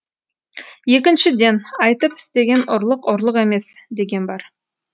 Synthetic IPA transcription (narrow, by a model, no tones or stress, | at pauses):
je̞k̬ʲɪnʃɪd̪e̞nɑjt̪əpɪ̥st̪e̞ɡʲe̞nʊɾlˠəqʊɾlˠəqe̞me̞sd̪e̞ɡʲe̞nbɑɾ